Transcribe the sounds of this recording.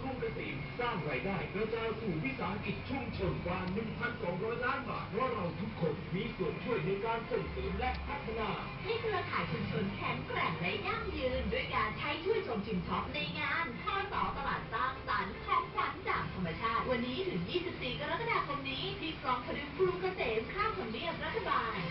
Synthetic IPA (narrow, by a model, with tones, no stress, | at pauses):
kʰu˧˥ŋka˧sḭː˨˩˦nsaː˥˩ŋɾaː˧jdaː˥˩jɾa˧wt͡ɕa˨˩a˧wsuː˨˩wi˦˥saː˨˩˦ɦa˦˧˥ki˨˩t̪̚t͡ɕʰu˥˩əŋt͡ɕʰɤː˧ŋkwaː˧nɯ˨˩ŋpʰa˧nsɔː˩˦ŋɾɔː˦˥jlaː˦˥nba̰ː˨˩t̪̚ːaː˥˩ɾa˧wt̪ʰu˦˥kʰːo˧nmiː˧˥su˨˩ənt͡ɕʰu˥˩əjnaː˧jkaː˧nsʰɤː˨˩tsɤː˨˩˦mlɛ˦˥pʰa˦˥t̪ʰːa˧naː˧˩ | ha˥˩jkʰɾɯ˧ɐkʰaː˩˦jt͡ɕʰu˧mt͡ɕʰo˧nkʰɛː˩˦ŋkɾɛ˨˩ŋla˧ja˥˩ŋjɯː˧nndu˥˩əjkaː˧nt͡ɕʰa˦˥jt͡ɕʰu˥˩əjt͡ɕo˧mt͡ɕʰi˧mt͡ɕʰɔ˦˥p̚na˧jŋaː˧nkʰaː˥˩t̪ɔː˨˩˦t̪a˧laː˨˩t̪̚saː˦˥ŋsaː˩˦nkʰɔː˦˥ŋsa˨˩˦nt͡ɕaː˨˩ŋt̪ʰa˧mːa˧t͡ɕʰaː˥˩t̪̚wa˧nːiː˦˥t̪ʰɯ˩˦ŋjiː˥˩si˨˩p̚siː˨˩ka˧ɾa˦˥t̪̚kʰa˧daː˧kʰo˧mniː˦˥tiː˧˩kʰlɔː˧˥ŋpʰa˧nɯ˨˦˥kʰɾuː˧ka˧seː˨˩nkʰaː˥˩mt̪ʰo˧ndi˧˥˩əmɾa˦˥t̪ʰːa˧baː˧n